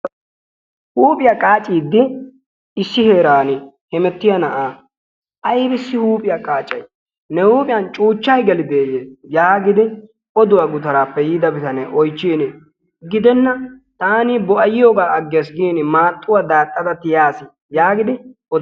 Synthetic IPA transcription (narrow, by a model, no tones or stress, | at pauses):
huːpʼɪjaːkʼaːt͡ʃʼiːd̪ːɪ | ɪsːɪheːɾaːnɪ | hɛmɛt̪ːɪjɐnɐʔaː | ʔɐjbɪsːɪhuːpʼɪjaːkʼaːt͡ʃʼːɐj | nɛhuːpʼɪjɐnt͡ʃʼuːt͡ʃːɐjɡɛlɪd̪eːjeːjaːɡɪd̪ɪ | ɔd̪ʊwaːɡʊt̪ɐɾaːpːɛjiːd̪ɐbɪt̪ɐnɛʔɔjt͡ʃːiːnɪ | ɡɪd̪ɛnːɐt̪aːniːbɔʔɐjɪjoːɡaːɐɡːesɡiːnɪmaːt̪ʼːʊwaːd̪aːt̪ʼːɐd̪ɐt̪ːɪjaːsɪ | jaːɡɪd̪ɪ | ɔ